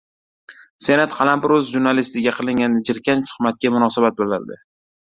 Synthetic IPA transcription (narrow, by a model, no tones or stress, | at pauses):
se̞nat̪qʰɑlampɪɾɵzʒuɾnalist̪ɪɡʲaqʰɨlˠɪŋʲanɪd͡ʒɪɾkʲant̪ʰʊ̥χmat̪̚kʲamʊnɒsabat̪̚bolaɾd̪ɪ̰